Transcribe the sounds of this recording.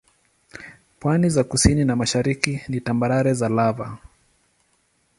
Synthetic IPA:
pwanizakusininamaʃaɾikinitambaɾaɾɛzalava

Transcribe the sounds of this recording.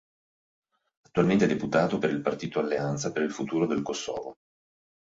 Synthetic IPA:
at̪ːualment̪eɛd̪eput̪aːt̪opeɾilpart̪iːt̪oalːeant̪sapeɾilfut̪uːɾod̪elkosːɔ̰ːvo

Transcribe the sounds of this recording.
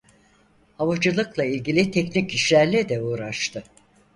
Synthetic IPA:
havad͡ʒɯlˠɯklˠailʲɟilʲit̪ʰɛcnicʰiʃlʲæɾlʲɛd̪ɛuːɾaʃt̪ʰɯ

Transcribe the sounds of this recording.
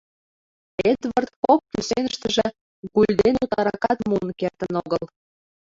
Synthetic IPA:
ed̪βərt̪̚kokːysenə̆ʃt̪ə̆ʒĕ | ɣulʲd̪enut̪ɑɾɑkɑt̪muənkert̪ənoɣəl

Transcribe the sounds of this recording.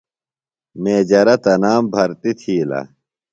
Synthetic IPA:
meːd͡ʑɐɾɐt̪ɐnaːmbʱɐɾt̪it̪ʰiːlɐ̰

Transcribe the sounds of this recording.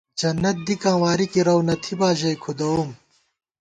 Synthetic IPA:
d͡ʑɐnːɐt̪̚d̪ikãːwaːɾikiɾɐwnɐt̪ʰibaːʑɐjkʰud̪ɐum

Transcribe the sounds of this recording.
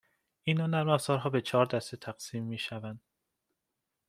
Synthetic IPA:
inɒnæɾmæfzɒːɾɦɒːbe̞t͡ʃʰɒːɾd̪æst̪et̪ʰæɡ̥siːmːiːʃævænd̪̥

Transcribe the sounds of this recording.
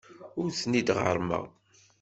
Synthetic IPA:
ʊɾθnid̪ʁə̰ɾˤmə̰ʁ

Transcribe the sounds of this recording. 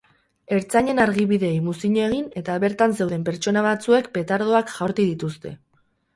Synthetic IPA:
e̞ɾt͡saɲe̞naɾɣiβiðe̞ːjmusiɲoe̞ɣ̞ine̞t̪aβe̞ɾt̪anse̞wðe̞mpe̞ɾt͡ʃo̞naβat͡sue̞kpe̞t̪aɾð̞o̞akʝaɾt̪iðit̪ust̪e̞̰

